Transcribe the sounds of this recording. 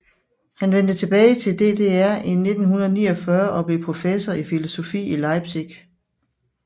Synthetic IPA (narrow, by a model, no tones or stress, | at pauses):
hænʋen̰d̥ət͡sʰe̝b̥ɛːɪt͡sʰe̝ld̥e̝d̥e̝ːæɐ̰e̝nːe̝d̥n̩ɦunɐð̞̩ˠnḭːɒ̽fɶɐʔɒ̽b̥le̝pʰʁo̝fesɐifilo̝so̝fḭːilɑ̈ɪb̥siɡ̥